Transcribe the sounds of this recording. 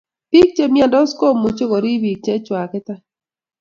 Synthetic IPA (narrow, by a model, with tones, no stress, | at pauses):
pi˦k̚t͡ʃe˦mja˦ndɔ˦sko˦˨mːo˨t͡ʃo˦ko˨ɾi˦bi˨k̚t͡ʃe˦t͡ʃwa˨kɛ˦t̪a˦